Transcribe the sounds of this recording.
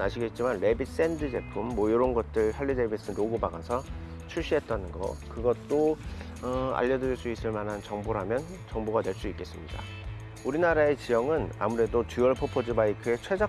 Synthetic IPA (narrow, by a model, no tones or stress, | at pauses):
aɕʰiɡe̞t̚t͡ɕ͈imanle̞bit̚s͈e̞ndɯd͡ʑe̞pʰumːwʌjoɾʌnɡʌt̚t͈ɯɭɦaɭːide̞bis͈ɯnoɡubaɡasʰʌ | t͡ɕʰuɭɕ͈iɦe̞t̚t͈anɯnɡʌ̰kɯɡʌt̚t͈o | ʌa̰ʎːʌdɯɾiɭs͈uis͈ɯɭmanɦant͡ɕʌŋboɾɦamjʌn | t͡ɕʌŋboɡadwe̞ɭs͈uik͈e̞s͈ɯmɲida̰ | uɾinaɾae̞t͡ɕijʌŋɯna̰muɾe̞dot͡ɕuʌɭpʰopʰod͡ʑɯbaikʰɯe̞t͡ɕʰwed͡ʑa